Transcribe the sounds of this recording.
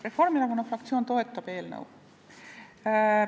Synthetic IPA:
re̞fo̞rmiɾɑɡonɑfrɑk̚t̪sioːnt̪o̞e̞t̪ːˑɑb̥e̞ːlnɤ̰w

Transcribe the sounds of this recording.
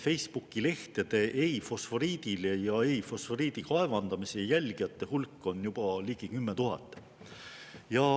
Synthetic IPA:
fe̞jspukːˑile̞ht̪e̞d̪e̞ʔejfo̞sfo̞ɾiːd̪̥ilejɑejfo̞sfo̞ɾiːd̪̥ikɑevɑnd̪̥ɑmisejælʲɡ̥ijɑt̪ːˑe̞hulkːˑo̞njub̥ɑliːɡ̥ikymːet̪uɦɑ̰t̪ːˑ | jɑ

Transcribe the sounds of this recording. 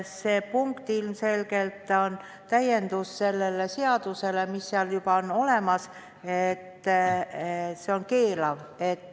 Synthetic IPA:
se̞ːpuŋkt̪ilmse̞lɡ̥e̞lt̪ːˑo̞n | t̪æje̞nd̪usse̞lːe̞leseɑd̪̥use̞le̞misːeɑljubɑono̞le̞mɑs | et̪ː | seo̞nke̞ːlɑve̞t̪ːˑ

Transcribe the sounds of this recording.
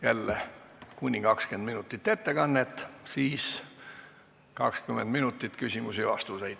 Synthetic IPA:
jælːekunʲːikɑkskend̪̥minut̪ːˑit̪ːe̞t̪ːe̞kɑnːet̪ːˑsiːs | kɑkskymːend̪minut̪ːˑit̪ːˑkysʲimusivɑ̰st̪usejd̪̥

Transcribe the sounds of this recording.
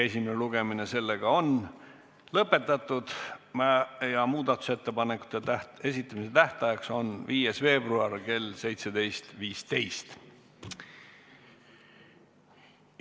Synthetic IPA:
e̞sʲimeneluɡ̥e̞mine̞se̞lːe̞ɡ̥ɑo̞n | lɤpːˑe̞t̪ːˑɑt̪ːˑud̪̥mæjɑmuːd̪ɑt̪ːˑu̥se̞t̪ːe̞pɑnekːˑu̥t̪ːˑet̪æe̞s̬ʲit̪ˑːɑmise̞t̪æht̪ɑjɑkso̞nviːjesve̞ːbruɑrke̞lse̞jt̪se̞d̪e̞jst̪viːst̪e̞jst̪

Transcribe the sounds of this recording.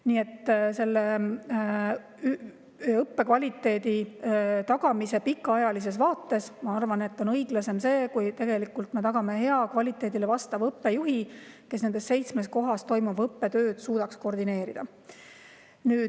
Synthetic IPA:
niːe̞t̪ːse̞lːe | y | ɤpːe̞kvɑlʲit̪ːˑe̞ːd̪̥it̪ɑɡɑmise̞pikːˑɑɑjɑlis̬e̞s̬vɑːt̪ːˑe̞smɑɑrvɑne̞t̪ːˑo̞nɤjɡ̥lɑse̞mse̞ːkujt̪e̞ɡe̞likːˑult̪me̞t̪ɑɡ̥ɑme̞ɦe̞ɑkvɑlʲit̪ːˑe̞ːd̪̥ilevɑst̪ɑvɤpːe̞juɦike̞s̬ne̞nd̪e̞stːse̞jt̪sme̞sko̞ɦɑst̪o̞jmuvɤpːe̞t̪øːd̪̥suːd̪̥ɑksko̞rd̪ine̞ːɾid̪̥ɑ | nyː

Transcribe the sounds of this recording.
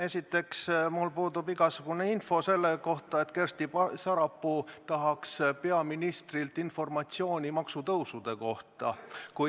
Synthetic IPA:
e̞sʲit̪ːˑe̞ksmulpuːd̪ubiɡ̥ɑsuɡ̥uneinfo̞se̞lːeko̞ht̪ˑɑe̞t̪kerst̪ipɑsɑɾɑpːut̪ɑɦɑkspe̞ɑminist̪rilt̪info̞rmɑt̪sio̞ːnʲimɑksut̪ɤwsud̪̥e̞ko̞ht̪ɑku

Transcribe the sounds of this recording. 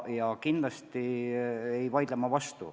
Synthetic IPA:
jɑkind̪lɑst̪i | ejvɑjd̪lemːɑvɑst̪ṵ

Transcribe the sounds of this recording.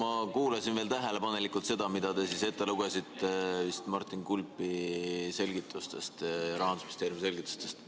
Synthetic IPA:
mɑkuːlɑsinve̞ːlt̪æɦe̞le̞pɑne̞likːˑult̪se̞d̪̥ɑmid̪ɑt̪e̞sise̞t̪ːˑe̞luɡesit̪ːevist̪mɑrt̪ːˑinkulpːˑise̞lʲɡit̪ːˑust̪e̞st̪jɑɾɑɦɑnd̪usmist̪e̞ːɾiumse̞lʲɡit̪ːˑu̥st̪e̞st̪

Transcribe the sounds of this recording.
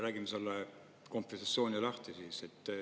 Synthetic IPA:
ræːɡimeselːe | ko̞mpfisɑt̪sjo̞ːnʲilɑht̪isiːset̪ː

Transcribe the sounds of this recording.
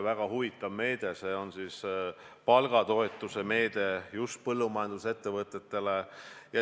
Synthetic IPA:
væɡ̥ɑhuvit̪ːˑɑvme̞ːd̪̥e̞se̞ːo̞nsis | pɑlɡ̥ɑt̪o̞e̞t̪ːˑuse̞me̞ːd̪̥e̞just̪̚pɤlːumɑjɑnd̪̥use̞t̪ːevɤt̪ːˑe̞t̪ːe̞lejɑ

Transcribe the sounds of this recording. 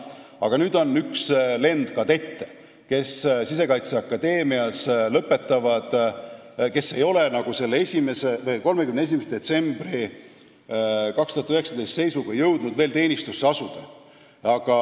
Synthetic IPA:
ɑɡ̥ɑnyːd̪̥o̞nyksle̞nd̪̥kɑt̪e̞t̪ːe | ke̞ssise̞kɑjt̪seɑkːɑd̪e̞ːmiɑslɤpːˑe̞t̪ːˑɑvɑd̪̥ | ke̞sːe̞jo̞le̞nɑɡ̥use̞lːee̞sʲimese̞vɤjko̞lmekymnee̞s̬ʲimesd̪̥e̞t̪se̞mb̥ri | kɑkst̪uhɑt̪yhe̞ksɑd̪e̞jst̪se̞jsuɡ̥ɑjɤwd̪̥nud̪̥ve̞ːlt̪e̞ːnʲist̪usːeɑsud̪̥e | ɑɡ̥ɑ

